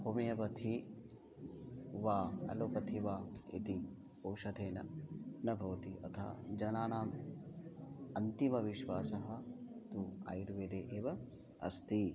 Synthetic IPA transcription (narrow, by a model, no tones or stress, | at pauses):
poːmijɐbɐt̪ʰi | ʋaːɐ̰loːpɐt̪ʰiʋaːḭt̪i | owʃɐd̪ʱeːnɐ̰nɐbʱɐʋɐt̪iʔɐ̰t̪ʰa̰ːd͡ʒɐnaːnaːm | ɐnt̪imɐʋiʃʋaːsɐɦɐ̆t̪uːa̰ːjiɾʋeːd̪eːʔeːʋɐ | ɐ̰st̪i